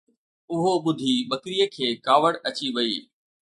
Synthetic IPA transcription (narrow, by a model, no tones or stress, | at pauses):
ʊɦoɓʊd̪ʱiɓɐkɾijəkʰeːkaːʋəɽɐt͡ɕiʋɐiː